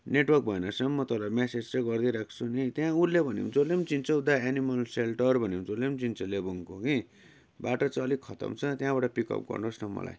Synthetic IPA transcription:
neʈwʌrk̚bʱʌenʌsʌmmʌt̪ʌlamesed͡zt͡seɡʌrd̪iɾakʰt͡sʰunit̪jãuɾlebʱʌnḭmd͡zolemt͡sint͡sʌud̪aenimʌlselʈʌrbʱʌnimd͡zolemt͡sint͡sʰʌlebuŋkoki | baʈʌt͡saʌlikʰʌt̪ʌ̰mt͡sʰʌt̪jãbaʈʌpikʌ̰p̚ɡʌ̰rnosnʌmːʌ̰la̰j

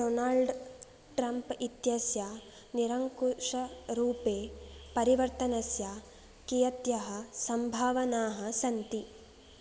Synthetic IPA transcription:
ɖoːnaːlɖ | ʈɾɐmpit̪jɐsja | niɾɐŋkuʂɐɾuːpeːpɐɾiʋɐɾt̪ɐnɐsjaː | kijɐt̪jɐɦɐsɐmbʱaːʋɐnaːɦɐ̆sɐnt̪i

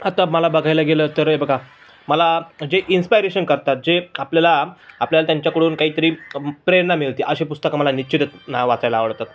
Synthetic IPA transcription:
at̪aməlabəɡʱajlaɡelət̪əɾebəɡa | məlad͡ʑeʔinspajɾeɕənkəɾt̪at̪̚d͡ʑeapljalaapljalat̪jaɲt͡ɕjakəɽuːnkaɦiːt̪əɾiːpɾenamiɭt̪iʔəɕepust̪əkaməlanit͡ɕɕit̪ət̪naʋat͡sajlaːʋəɽt̪at̪

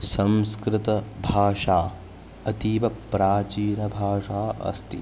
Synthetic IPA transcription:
sɐmskɾɪt̪ɐbʱaːʂaː | ɐt̪iːʋɐpɾaːt͡ʃiːnɐbʱaːʂaːʔɐ̰st̪ḭ

